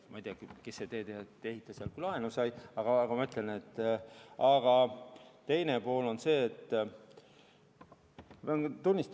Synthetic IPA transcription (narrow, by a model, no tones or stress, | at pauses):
mɑjd̪jɑkkeset̪e̞ːd̪eɑt̪ːehit̪ːˑɑsiɑlkylɑenusɑjɑɡ̥ɑɑɡ̥ɑmɑmyt̪ːˑlene̞t̪ːɑɡ̥ɑt̪e̞jnepo̞ːlo̞nse̞ːt̪ː | et̪unʲːist̪